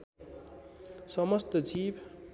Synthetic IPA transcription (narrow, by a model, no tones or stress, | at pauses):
sʌmʌst̪ʌd͡zibʱ